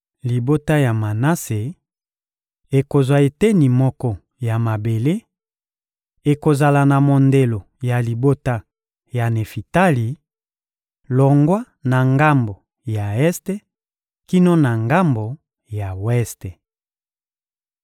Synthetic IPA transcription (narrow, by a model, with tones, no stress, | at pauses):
li˨bo˦ta˦ja˨ma˨na˦se˨ | e˨ko˨zwa˨e˨te˦ni˨mɔ˦kɔ˦ | ja˨ma˨be˨le˦ | e˨ko˨za˨la˨na˨mo˨nde˨lo˨ | ja˨li˨bo˦ta˦ | ja˨ne˨fi˨ta˦li˨ | lɔ˨ŋɡwa˦ | na˨ŋɡa˦mbo˨ | ja˨ɛ˦ste˦ | ki˦no˦na˨ŋɡa˦mbo˨ | ja˨wɛ˦ste˨